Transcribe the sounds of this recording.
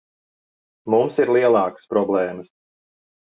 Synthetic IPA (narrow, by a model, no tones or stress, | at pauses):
mumsiɾlˠiɛlˠɑːkə̥spɾɔblˠɛːməs